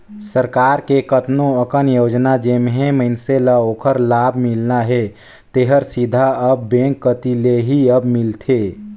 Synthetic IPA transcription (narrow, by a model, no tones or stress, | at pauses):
səɾkaːɾkekət̪noəkənjoːd͡ʒnad͡ʒemɦẽməɪnseləokʰəɾlabʱmilnaɦe | t̪eɦəɾsid̪ʱaəbːẽŋkːət̪ileɦiəbmɪlt̪ʰe